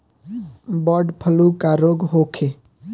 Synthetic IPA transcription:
bɔɖpʰəlukaɾoɡɦokʰe

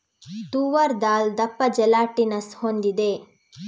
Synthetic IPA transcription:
t̪uːʋɐɾd̪aːld̪ɐpːɐd͡ʒɛlaːʈinɐshond̪id̪e

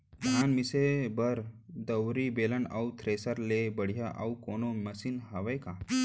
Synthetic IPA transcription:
d̪ʱanmisebəɾd̪əwɾibeləna̰wt̪ʰɾesəɾlebəɽ̤jaʔa̰wkonoməsiːnɦaʋəjka

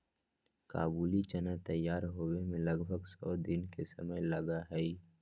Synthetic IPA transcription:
ka̰ːbuːlit͡ʃənat̪əjːaːɾɦoːwemẽləɡbʱəɡsɔːd̪ɪnkesɐ̰məjlɐɡaɦɛi

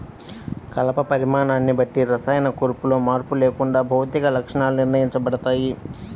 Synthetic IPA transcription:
kɐlɐpɐpɐɾimaːɳaːnːibɐʈːiɾɐsaːjɐnɐkuːɾpulo̞ːmaːɾpule̞ːkuɳɖaːbʱɐwt̪ikɐlɐkʂɐɳaːluniɾnɐjiɲt͡ʃɐbɐɽɐt̪aːji

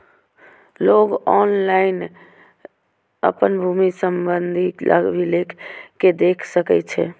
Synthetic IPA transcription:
loɡɔnlain | ə̰pənbʱumisəmbənd̪ʱilʔə̰ɡbʱilekʰked̪ekʰsəkɛt͡ʃʰɛ̰

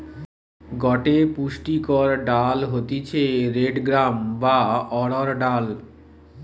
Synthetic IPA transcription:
ɡɔʈepuʃʈikɔɾɖalɦot̪it͡ɕʰeɾeɖɡɾambaɔɽɔɾɖal

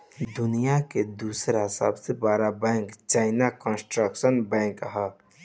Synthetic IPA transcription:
d̪ʊnijaked̪uːsɾasə̰bsebaːɾabɛ̃ːŋkt͡ʃaːɪnakə̃nsʈɾəkʃənbɛ̃ːŋkɦa

